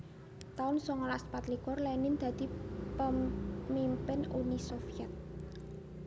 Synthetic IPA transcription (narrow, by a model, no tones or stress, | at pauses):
t̪aʊnsɔŋɔlaspat̪likʊrlɛnɪnd̪̥ä̤d̪̥i̤pəmimpɪnunisofiɛt̪̚